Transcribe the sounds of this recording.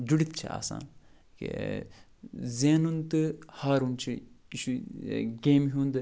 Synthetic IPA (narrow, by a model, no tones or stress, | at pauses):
d͡ʒuɽit̪̚t͡ʃʰḭa̰ːsa̰ːn | kḛ | zeːnunt̪ɨhaːɾunt͡ʃʰiiʃuɡeːmɦũːnd̪ɨ